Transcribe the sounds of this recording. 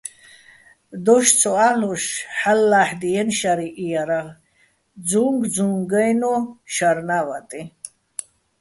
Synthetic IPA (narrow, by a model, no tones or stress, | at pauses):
d̪ɔʃt͡sʰɔaluʃħalːaħd̪ijɛnʃaɾiʔijaɾaʁ | d͡zuŋɡd͡zũŋɡəjnɔʃaɾnavat̪ʼi